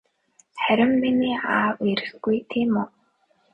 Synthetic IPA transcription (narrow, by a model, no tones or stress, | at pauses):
χæɾʲɪ̆mːiniːaːwiɾɘ̆xɡujt̪ʰeːmo